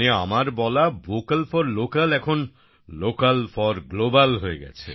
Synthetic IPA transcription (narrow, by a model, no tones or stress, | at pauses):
ea̰maɾbɔlabokalfɔɾlokalɛkʰon | lokalfɔɾɡlobalɦoeɡɛ̰t͡ɕʰḛ